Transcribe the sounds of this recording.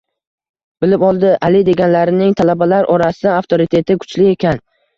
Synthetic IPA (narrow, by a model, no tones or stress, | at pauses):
bɪlɪpɒlˠd̪ɪʔalɪd̪e̞ɡʲanlaɾɪnɪŋt̪ʰalabalaɾʔɒɾasɪd̪aaft̪ʰoɾɪt̪ʰe̞t̪ʰɪkʰʊ̥t͡ʃlɪe̞kʲʰan